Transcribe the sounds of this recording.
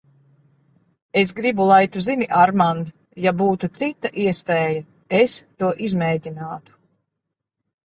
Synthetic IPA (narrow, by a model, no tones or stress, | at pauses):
esɡɾibulˠajt̪uziniʔaɾmand̪ | jabuːt̪ut̪sit̪ːaʔiɛspɛːjɐ | est̪uɔʔizmɛːɟʲinaːt̪u̥